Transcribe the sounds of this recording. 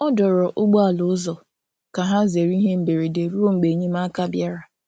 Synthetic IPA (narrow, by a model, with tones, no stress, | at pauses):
ɔ˦dɔ˨ɾɔ˨ʔʊ˦ɡ͡bɔ˦a˨lʊ˦zɔ˨ | ka˨ɦa˦ze˨ɾi˦ɦe˦m̩˨be˨ɾi˨de˨ɾu˦ɾo˦ŋ͡m̩˨ɡ͡be˨ɲe˦m˦a˦ka˦bja˦ɾa˨